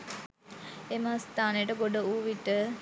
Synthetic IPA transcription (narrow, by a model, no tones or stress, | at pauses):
emɐst̪aːnejəʈəɡoɖəuʋiʈə